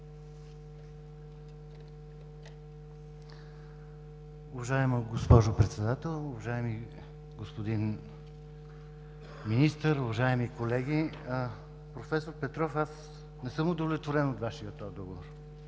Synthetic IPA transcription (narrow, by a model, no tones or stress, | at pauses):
ʊvɐʒaɛməɡospɔʒopɾɛt̪sɛd̪at̪ɛlˠʊvɐʒaɛmi | ɡospod̪in | minist̪əɾʊvɐʒaɛmikolɛɡ̟i | pɾofɛsoɾpɛt̪ɾɔfas | nɛsɤmod̪ovlʲɛt̪voɾɛnot̪vaʃiət̪ːɔjd̪ɔɡovoɾ